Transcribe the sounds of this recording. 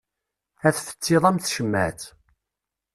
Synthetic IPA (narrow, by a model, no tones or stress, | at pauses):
æθfə̥t͡sːɪðˤæmθʃəmːæ̰θ